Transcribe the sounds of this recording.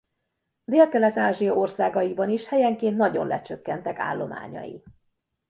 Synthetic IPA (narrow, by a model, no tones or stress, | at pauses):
d̪eːlkɛlɛt̪aːʒijɒo̞rsaːɡɒjibɒniʃhɛjɛŋkeːnt̪nɒɟo̞̰nlʔɛ̰t͡ʃøkːɛnt̪ɛka̰ːlːo̞ma̰ːɲɒ̰jḭ